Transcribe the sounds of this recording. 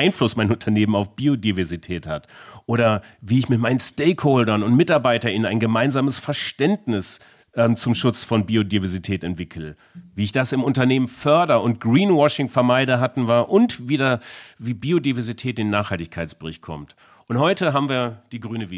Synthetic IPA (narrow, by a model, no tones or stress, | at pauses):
aɪnflʊsmaɪnʊntʰɐneːmənaʊfb̥iːodivɛɐzitʰɛːthatʔoːɾɐviːɪçmɪt̚maɪnənstɛɪkholdɐnʊntmɪtaɐbaɪtɐʔɪnənaɪnɡəmaɪnzaːməsfɛɐʃtɛntnɪs | ʔɛmt͡sʊmʃʊt͡sfɔnbiːodivɛɐzitʰɛːtɛntv̥ɪkʰl̩ | viːɪçd̥asɪmʊntɐneːmənfœɐdɐʊnt̚ɡ̥ʁiːnwɔʃɪŋfɛɐmaɪdəɦatn̩vaːɐʔʊntviːdaviːbiːodivɛɐzitʰɛːt̚d̥eːnːaːχhaltɪçkʰaɪt͡ssb̥əʁɪçt̚kʰɔ̰mt | ʔʊnthɔʏtəɦaːbm̩viːɐd̥iːɡʁyːnəvi